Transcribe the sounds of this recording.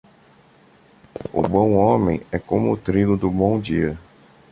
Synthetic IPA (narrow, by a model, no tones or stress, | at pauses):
ʊ̰bõw̃õmẽj̃ɛkõmʊːt̪ɾilʊd̪ʊbõw̃d͡ʒiɐ